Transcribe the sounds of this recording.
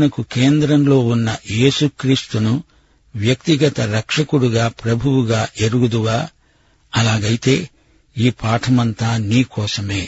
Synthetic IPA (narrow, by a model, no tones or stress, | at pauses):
nɐkuke̞ːnd̪ɾɐmlo̞ːunːɐe̞ːsukɾiːst̪unu | ʋjɐkt̪iɡɐt̪ɐɾɐkʂɐkuɽuɡaːpɾɐbʱuwuɡaːʔeɾuɡud̪uʋaː | ɐlaːɡɐjit̪e̞ː | iːpʰaːʈʰɐmɐnt̪aːniːkɔːsɐme̞ː